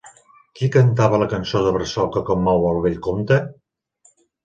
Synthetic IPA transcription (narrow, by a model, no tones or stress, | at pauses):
kikənt̪̬aβələkənsoðəβɾəsɔkəkomːɔwəlˠβeʎkont̪ə